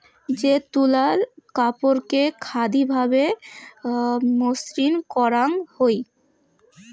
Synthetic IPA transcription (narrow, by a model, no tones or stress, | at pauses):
d͡ʑet̪ulalkapoɾkekʰad̪ibʱabe | mosɾinkɔɾaŋhoj